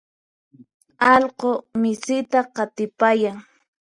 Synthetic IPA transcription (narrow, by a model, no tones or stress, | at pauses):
ɑlqomɪsɪt̪aqɑt̪ɪpajaŋ